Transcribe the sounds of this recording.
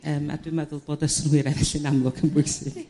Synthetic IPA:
əːma̰dwuɨmɛðʊlˠboːdəsnʊɨɾɛvɛɬinamlˠʊɡʰənbʊjsɪɡ̥

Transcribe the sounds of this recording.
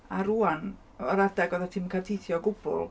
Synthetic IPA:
aɾuːan | ɔɾadaɡɔðatʰɪmŋkʰatʰeθjɔɡʊbʊ̰lˠ

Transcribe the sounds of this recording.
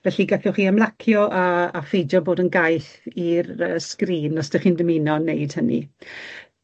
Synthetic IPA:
vɛɬiɡaθɔχiːəmlˠakʰjɔʔaːfejd͡ʒɔboːdənɡajθiɾəskriːnːɔsd̥əχiːndəminɔnejd̥hənḭ

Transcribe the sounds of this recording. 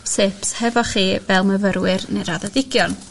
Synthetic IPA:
sepshɛvɔχiːvɛlˠməvəɾwɨrneɾaðɛdɪɡjɔn

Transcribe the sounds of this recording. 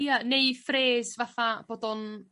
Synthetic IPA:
janejfreːzvaθab̥oːdɔn

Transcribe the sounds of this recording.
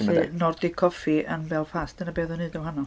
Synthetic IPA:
ɬɨnɔrdikʰɔfiʔənvɛlˠfaːsd̥ənabeːðɔnɨːdɛwɦanɔ

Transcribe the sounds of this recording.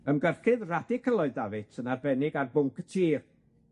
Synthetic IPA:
əmɡərχɪðradɪkʰəlˠɔɨðdavɪtʰənarbɛnɪɡarbʊŋkʰə̥tʰiːr

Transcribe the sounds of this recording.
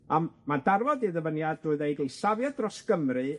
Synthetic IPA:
ammadarvɔdiðəvənjadrʊːɨðejɡljsavjadrɔsɡ̥əmrɨ

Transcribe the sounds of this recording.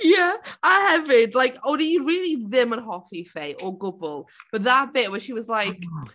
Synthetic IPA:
jæəhɛvɪdlaɪkoʊdiɹiːlˠiðɪmə̃nɦɔfifeɪʔɔɡʊɡlˠb̥əðab̥ɪʔwɛnˠʃiwɔzlaɪk

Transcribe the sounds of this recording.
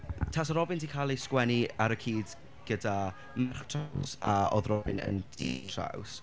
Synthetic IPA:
tʰasɔɾɔbɪndʰikʰalˠiskwɛniaɾəkʰiːd | ɡ̥əda | mɛrχtʰawsa̰ɔðrɔbɪ̰nə̰ndḭr̥a̰ws

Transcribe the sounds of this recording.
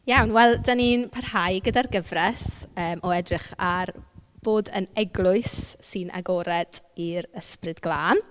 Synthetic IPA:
jawnwɛlˠdaninpʰarhajɡədarɡəvrɛsəːmʔɔɛdrɪχarb̥oːdənɛɡlˠʊɨsːɨnʔa̰ɡɔɾɛd̥iɾəsprɨdɡlˠaːn

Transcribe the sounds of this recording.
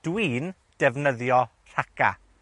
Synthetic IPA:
d̥wiːn | d̥ɛvnəðjɔ | r̥aka̰

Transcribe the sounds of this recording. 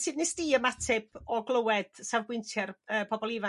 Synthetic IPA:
sɨːdnɪsd̥iːəmatʰɪbʰɔɡlˠəwɛd̥savɡwɪntʰjɛrəːpʰɔbɔlˠiva

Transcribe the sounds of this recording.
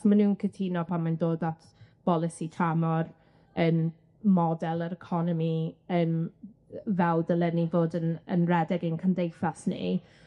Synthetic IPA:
manuːnkʰətʰinɔpʰamandoːdatʰb̥ɔlˠɪsitʰamɔr | ən | mɔdɛlˠəɾəkʰɔnɔmiən | vɛldəlˠɛnivoːdənə̰nrɛdɛɡənkʰəndejfasnḭ

